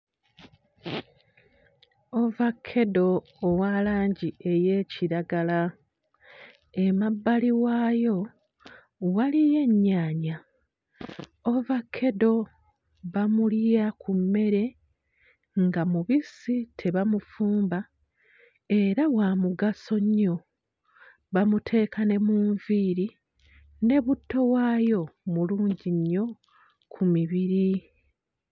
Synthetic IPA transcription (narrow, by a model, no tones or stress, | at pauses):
o̞vakʰːe̞do̞ː | walaːɲɟie̞je̞ːciɾaɡala | e̞mabːaliwaːjo̞ | walije̞ɲːaːɲa | ovakʰːe̞do̞ | βamuljakumːe̞ɾe̞ | ŋɡamuβisitʰe̞βamufuːmba | e̞ɾawamuɡaso̞ɲːo̞ | βamutʰe̞ːkane̞muːɱviːɾi | ne̞βutːo̞waːjo̞muluːɲɟiɲːo̞ | kʰumiβiɾi